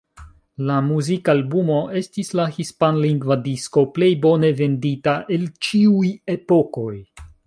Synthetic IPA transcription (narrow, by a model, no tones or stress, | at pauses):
lamuzikalbumo̞ʔe̞stislahispanliŋɡvadisko̞ple̞jbo̞ne̞ve̞nditaʔe̞lt͡ʃiuje̞po̞ko̞j